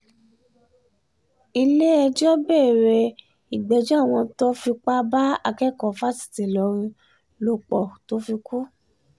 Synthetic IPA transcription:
i˧le˦ɛ˧d͡ʒɔ˦bɛː˦˨ɾɛ˧ | i˨ɡ͡bɛ˨˦d͡ʒɔ̃˦a˦˨w̃ɔ̃˧to˦fi˧k͡pa˦ba˦a˧kɛ˦˨kɔ˨fa˦si̥˦˨ti˨lɔ˨˦ɾ̃ĩ˧ | lo˧k͡pɔ˨to˨˦fi˧ku˦

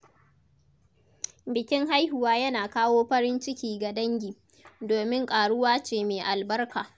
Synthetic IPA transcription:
bɪ˨kʲɪ˦ŋɦa˦jhʊ˨waː˦jɐ˦naː˨kaː˦woː˦ɸɐ˦ɾɪ˦nt͡ʃɪ˦kʲiː˨ɡa˨dɐ˦ŋɡʲiː˨ | doː˨mɪ˦ŋkʼaː˨ɽʊ˦waː˦t͡ʃeː˨meː˨ʔa˨lbɐ˦rkʰaː˨

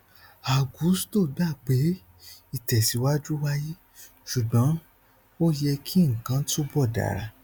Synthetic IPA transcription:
a˨ɡu˨˦sto˦˨da˦˨k͡pe˨˦ | i˦˨tɛ˨si˨˦wa˦d͡ʒu˦wa˦ji˦ | ʃu˨dã˨˦ | o˦jɛ˧kʰi˦ŋ̩˨kã˨˧˦tu˦bɔ˦˨da̰˨ɾa̰˧

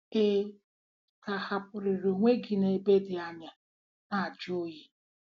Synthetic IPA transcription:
e˦ | ka˨ha˨p̚ʊ˨ɾɪ˨ɾo˨ŋʷe˦ɡi˨ne˨be˦dɪ˨a˨ɲa˨ | a˦˨d͡ʒo˦ji˦

